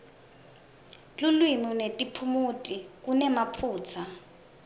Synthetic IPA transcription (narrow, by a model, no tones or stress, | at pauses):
lulwimunetʼipʰumutʼik̬unɛmapʰuːt͡sʰa